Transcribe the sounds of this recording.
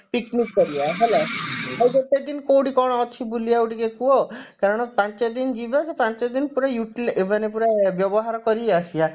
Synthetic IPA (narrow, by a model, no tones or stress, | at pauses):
piknikːɔɾijaɦelaawɡet̪ed̪inkowʈikɔɽ̃ɔɔt͡ʃʰibulijauʈikekuɔkaɾɔɽ̃ɔpãnt͡ʃed̪ind͡ʒibasepãnt͡ʃed̪inpuɾajuʈlebanepuɾabjɔbɔɦaɾɔkɔɾiasia